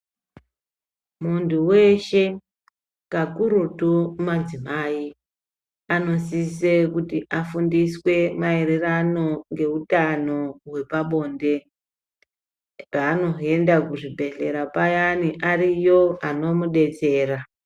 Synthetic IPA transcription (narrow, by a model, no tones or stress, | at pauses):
munduwe̞ʃe̞ | kakuɾutumad͡zimaːi | ano̞sisekutiʔafundiswe̞maeɾerano̞ŋɡe̞utano̞we̞paɓo̞ːnde̞ | raːno̞e̞ndakuʐibʱe̞ɬe̞̰ɾapajaniʔaɾijo̞ano̞muɗe̞t͡se̞ːɾa